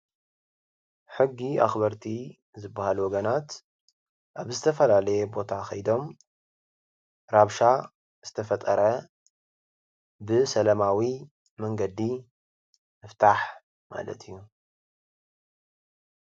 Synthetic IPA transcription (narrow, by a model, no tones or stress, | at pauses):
ħɨɡːia̰xbɐɾt̪ʰi | zɨbːahalwɔɡɐnat̪ | ʔaβzɨt̪ʰɐfɐlalɐjɛbo̞t̪ʰaxɐjd̪o̞m | ɾaβʃa | z̥ɨt̪ʰɐfɐt̪ʼɐɾɐ | bɨsɐlɐmawi | mɐŋɡɐd̪i | mɨft̪ʰaħ | ma̰lɐ̰t̪ʰijːu